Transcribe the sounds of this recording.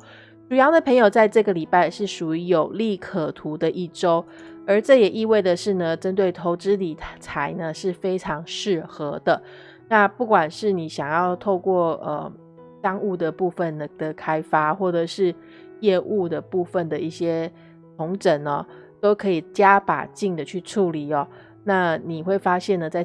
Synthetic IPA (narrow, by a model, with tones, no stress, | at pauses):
ʈ͡ʂu˨jɑ˧˥ʊd̪ə˨pʰə˧˥ŋjo˨˩ʊt͡sa˥˧ɪʈ͡ʂɤ˥˩ɡə˩li˨˩pa˥˧ɪʂɻ̩˥˩ʂu˨˩y˧˥jo˨˩ʊli˥˩kʰə˨˩t̪ʰu˧˥˦d̪ə˨ʔi˥˩ʈ͡ʂo˥ʊə˞˧˥ʈ͡ʂɤ˥˩jɛ˨˩ʔi˥˧we˥˩ɪd̪ə˩ʂɻ̩˥˩nə˩ʈ͡ʂə˥nt̪we˥˩ɪt̪ʰo˧˥ʊʈ͡ʂɻ̩˦˥li˨˩t͡sʰa˧˦ɪnə˧ʂɻ̩˥˩fe˥ɪʈ͡ʂʰɑ˧˥ŋʂɻ̩˥˩xɤ˧˥d̪ə˨ | na˥˧pu˥˩kwa˨˩nʂɻ̩˥˩ni˨˦ɕjɑ˨˩ŋjɑ˥˧ʊt̪ʰo˥˧ʊkwɔ˥˩ə̰˨˩ | t̪ɑ˥ŋu˥˩d̪ə˩pu˥˧fə˨nə˩d̪̥ə˩kʰa˥ɪfa˦xwɔ˥˩ʈ͡ʂə˨˩ʂɻ̩˥˧ | jɛ˥˧ʔu˥˩d̪ə˩pu˥˧fə˥˨nd̪ə˩i˥˩ɕjɛ˥ | t̪ʰʊ˧˦˥ŋʈ͡ʂə˨˩nɐ˨ | t̪o˥ʊkʰɤ˧˥i˨˩t͡ɕja˦˥pa̰˨˩t͡ɕi˥˩ŋd̪ə˨t͡ɕʰy˥˧ʈ͡ʂʰu˥˩li˨˩ɐ˨˦ | na˥˩ni˨˩xwe˥˩ɪfa˥ɕjɛ˥˩nd̪ə˩t͡sa˥˩ɪ